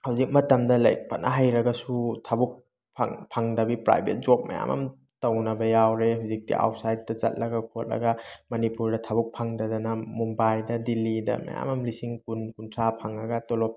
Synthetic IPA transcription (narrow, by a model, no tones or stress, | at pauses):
hawzik̚mɐtɐmdɐlɐ̰jk̚pɐnɐɦajɾɐɡɐsutʰabuk̚ | pʰa̰ŋpʰaŋdɐbipɾa̰jbʱet̚zop̚mɐ̰ja̰mɐ̰m | tɐwnɐbɐjawɾeɦawzik̚tḭʔa̰wtsajt̚dɐt͡ʃɐ̰t̚lɐɡɐkʰot̚lɐ̰ɡɐmɐnipuɾdɐtʰabuk̚pʰaŋdɐdɐnɐmumbajdɐdilidɐ̰mɐ̰ja̰mɐmlisiŋkunkuntʰɾapʰaŋɐɡɐtɔlɔp̚